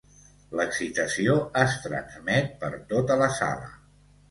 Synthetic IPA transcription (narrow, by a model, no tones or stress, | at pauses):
ləksit̪əsioəst̪ɾə̰nzmɛt̪̚pəɾt̪ot̪ələsa̰lə̰